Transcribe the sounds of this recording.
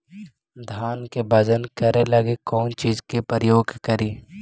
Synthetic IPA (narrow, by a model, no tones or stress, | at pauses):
d̪ʱaːnkebɐd͡ʒənkɐɾelɐɡekɔːnt͡ʃiːzkepɾjoːɡkəɾiː